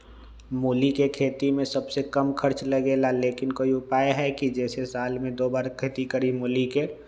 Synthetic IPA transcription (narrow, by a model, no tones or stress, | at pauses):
moːlikekʰeːt̪imẽsɐbsekəmkʰəɾt͡ʃləɡeːlaleːkɪnkoːiʊpaːjɦɛkid͡ʒɛːsesaːlmẽd̪oːbaːɾkʰeːt̪ikəɾimoːlike